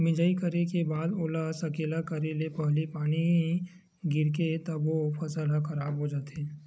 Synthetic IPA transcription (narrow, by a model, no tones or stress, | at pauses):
mɪd͡ʒaːikɐɾekebaːd̪oːlaːsɐkeːlakɐɾelepɐɦlipaːni | ɡɪɾket̪ɐbofɐsəlaxɐɾaːbɦod͡ʒaːt̪eː